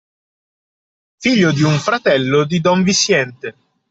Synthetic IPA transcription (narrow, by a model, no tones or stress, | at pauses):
fiʎːod̪iuɱfɾat̪ɛlːod̪id̪ɔɱvisːjɛnt̪e